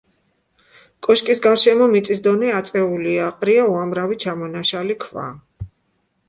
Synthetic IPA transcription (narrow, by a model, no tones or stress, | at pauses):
kʼɔʃkʼisɡaɾʃɛmɔmit̪sʼisd̪ɔnɛat̪sʼɛuliaqʼɾiauamɾavit͡ʃʰamɔnaʃalikʰva̰